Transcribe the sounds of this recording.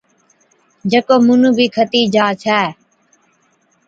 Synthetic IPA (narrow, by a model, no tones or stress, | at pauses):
d͡ʒəkoːmʊnũːbʱiːkʰət̪iːd͡ʒaːt͡ʃʰɛː